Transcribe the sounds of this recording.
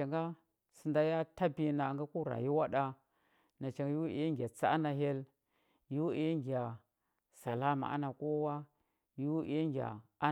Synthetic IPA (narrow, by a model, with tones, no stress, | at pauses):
a˨ŋɡa˦ | si˨nda˦ja˦ta˦bi˦na˨ŋɡa˦ku˦ɾa̰˨ji˦wa˦ɗa˦ | na˨t͡ʃa˨ŋɡa˦ji˦wʔḭ˨ja˦ŋɡʲa˨t͡sa̰˦na˨ɦe˦l | ju˦wi˨ja˦ŋɡi˨a˨ | sa˨la˦ma̰˨ʔa̰˦na˨ko˦wa˦ | ju˦wʔḭ˦ja˦ŋɡʲa̰˨a˦